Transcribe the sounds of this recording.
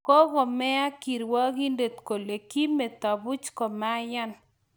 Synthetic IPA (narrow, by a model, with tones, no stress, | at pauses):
ko˦ɣɔ˨mɛ˦a˦ki˨ɾwɔ˦ɡi˦nde˨t̪ko˨le˨ki˦mɛ˨t̪ɔ˨bʊ˦t͡ʃkɔ˨ma˦ja˦n